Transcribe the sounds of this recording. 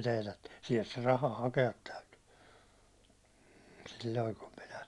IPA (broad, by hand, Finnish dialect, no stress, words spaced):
teːtætːi̥ siɛlt se rɑhɑ hɑkeɑt tæyty silːoi kum minæ